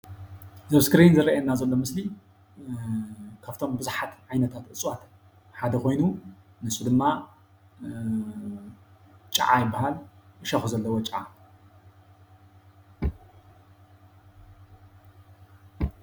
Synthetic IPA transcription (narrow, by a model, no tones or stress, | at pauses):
zɐβskɨɾinzɨɾɐʔɐnːazɐlːo̞mɨsli | kʰaft̪ʰo̞mbɨzuħat̪ʕajnɐt̪ʰat̪ʔɨt͡sʼwat̪ | ħad̪ɐko̞jnu | nɨsud̪ɨmːa | t͡ʃʼɐ̰ʕa̰jɪbːahalɨʃɐxuzɐlːɐwot͡ʃʼʕa